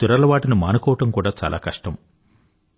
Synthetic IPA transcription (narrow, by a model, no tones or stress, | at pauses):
t̪uɾɐɾlɐʋaːʈinumaːnɐkɔːʋɐʈɐmkuːɽaːt͡ʃa̰ːlʔa̰ːkɐʂʈɐm